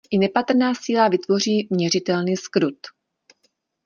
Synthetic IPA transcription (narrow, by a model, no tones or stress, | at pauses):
ʔɪnɛpat̪r̩naːsiːlavɪt̪vo̞r̝iːmɲɛrɪt̪ɛlniːskɾut̪